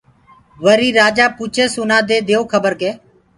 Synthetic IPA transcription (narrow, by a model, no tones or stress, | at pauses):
ʋəɾiːɾaːd͡ʒaːput͡ʃʰeːsʊnãːd̪eːd̪eːoːkʰəbəɾkeː